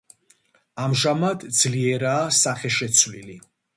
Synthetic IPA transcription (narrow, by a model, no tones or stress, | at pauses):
amʒamad̪d̪z̥liɛɾaːsaχɛʃɛt̪sʰwili